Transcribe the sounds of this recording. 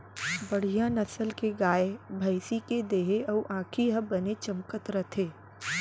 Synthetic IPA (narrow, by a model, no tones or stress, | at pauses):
bɐɽ̤ijanɐsəlkeɡaːebʱɐɪsiked̪eːɦeɐʔãːkʰiɦɐbɐnet͡ʃɐmkət̪ɾɐt̪ʰeː